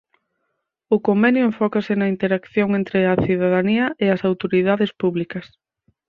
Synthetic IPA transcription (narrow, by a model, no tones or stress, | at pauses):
ʊkombɛnjʊẽɱfɔkɐsɪnɐint̪eɾakθjoŋent̪ɾɪɐθiðað̞aniɐʔeɐsawt̪oɾiðaðespuβlikɐs